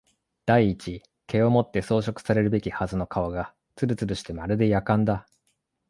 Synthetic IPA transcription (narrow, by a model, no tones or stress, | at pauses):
d̪̥aiːt͡ɕi | ke̞o̞mo̞t̪ːe̞so̞ːɕo̞kɯ̟̥saɾe̞ɾɯ̟be̞kʲihazɨno̞kaβaɡa | t͡sɨɾɯ̟t͡sɨɾɯ̟ɕi̥t̪e̞maɾɯ̟d̪e̞jakãnd̪a